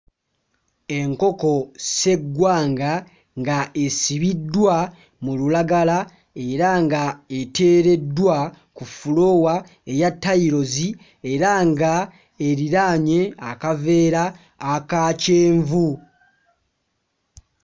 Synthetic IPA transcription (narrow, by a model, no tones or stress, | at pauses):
e̞ŋko̞ko̞se̞ɡwaːŋɡa | ŋɡaesiβidːwa | mululaɡala | e̞ɾaŋɡaete̞ːɾe̞dːwa | kufulo̞wa | ejatːaiɾo̞zi | e̞ɾaŋɡa | eɾiɾaɲe̞akave̞ːɾaː | kaːceːɱvu